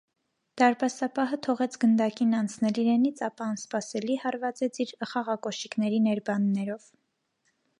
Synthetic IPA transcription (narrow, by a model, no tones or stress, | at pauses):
d̪̥ɑɾbɑsɑpɑɦət̪ʰɔʁɛt͡sʰɡənd̪ɑkinɑnt͡sʰnɛliɾɛnit͡sʰɑpɑːnspɑsɛlihɑɾvɑt͡sɛt͡sʰiɾəχɑʁɑkɔʃiknɛɾinɛɾbɑnːɛɾɔv̥